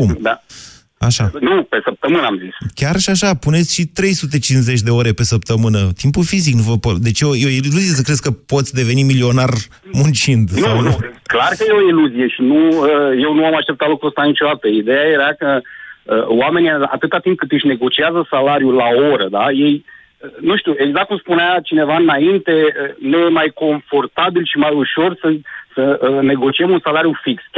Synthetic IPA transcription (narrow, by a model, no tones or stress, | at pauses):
kumd̪a | aʃanupe̞səp̚t̪əmɨnəamziskʲarʃiaʃapune̞t̪sʲʃit̪ɾe̞jsut̪̬e̞t͡ʃinze̞t͡ʃʲd̪e̞o̞ɾe̞pe̞səp̚t̪əmɨnət̪impufiziknuvəpod̪e̞t͡ʃeojeoililuzije̞s̬əkɾe̞skəpo̞t̪sʲd̪e̞ve̞nimilio̞nar | munt͡ʃind̪nawnuklarkəjeo̞iluzije̞ʃinuəje̞wnuamaʃt̪e̞p̚t̪at̪lokuəst̪anit͡ʃo̞d̪at̪əid̪e̞jaje̞ɾakəəwame̞nijaa̰t̪ɨt̪at̪imp̚kɨt̪ɨʃne̞ɡo̞t͡ʃiazəsalaɾjulao̞ɾəd̪aje̞j | ənuʃt̪ʲjue̞ɡzak̪̚kumspuneat͡ʃine̞vaɨnaint̪e̞ənejemajko̞ɱfo̞rt̪abilʃimajuʃo̞rsəsəəne̞ɡo̞t͡ʃiemunsalaɾjufiks